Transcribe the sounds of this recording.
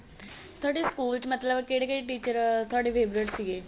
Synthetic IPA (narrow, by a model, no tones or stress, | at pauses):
t̪ʰoɽiskuːlsmət̪laʋəkeɽekaɽiʈit͡ɕəɾt̪ʰoɽifebɾeʈsɡe